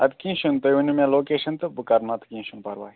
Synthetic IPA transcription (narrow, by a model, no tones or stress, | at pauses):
ɐt̪kĩːʃunt̪ojunʲumẽloːkeːʃɐnt̪ɨbɨkɐɾnɐt̪ʰkĩːʃunpɐɾʋa̰ːi